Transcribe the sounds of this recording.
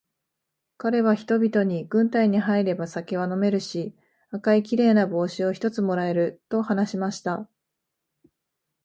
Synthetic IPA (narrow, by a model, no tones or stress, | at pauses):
kaɾe̞β̞açi̥t̪o̞bʲit̪o̞ɲ̟iɡ̥ɯ̟̃nt̪aiɲ̟iɦaiɾe̞basakʲeβano̞me̞ɾɯ̟ɕi | akaikʲiɾe̞ːnabo̞ːɕio̞çi̥t̪o̞t͡sɨmo̞ɾae̞ɾɯ̟t̪o̞hanaɕimaɕi̥t̪a